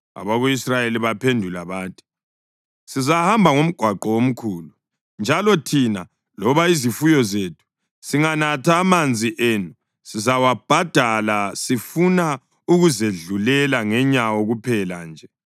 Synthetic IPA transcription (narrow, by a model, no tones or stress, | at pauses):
a̰βaɣuisrajeliβapʰendʱulaβaːtʰʼi̥ | sizahambʱaŋom̩ɡ̥ʱwaǃɔwom̩kʰuːlu | nd͡ʒʱalɔtʰina | lɔβaizifujɔzetʰu̥ | siŋanatʰaːmand͡zʱiʔenu | sizawab̥ʱad̥ʱalasifuna | uɣuzeɮulɛlaŋɛɲawoɣupʰɛland͡ʒʱɛ